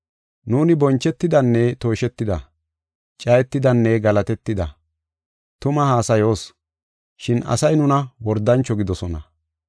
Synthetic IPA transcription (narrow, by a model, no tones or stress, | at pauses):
nuːnɪbɔnt͡ʃːɛt̪ːɪd̪ɐnːɛt̪o̞ːʃɛt̪ːɪd̪ɐ̰ | t͡ʃʼɐjɛt̪ːɪd̪ɐnːɛɡɐlɐt̪ɛt̪ːɪd̪ɐ | t̪ʊmɐhaːsɐjo̞ːs | ʃɪnɐ̰sɐjnʊnɐwɔɾd̪ɐnt͡ʃːɔɡɪd̪ɔsɔnɐ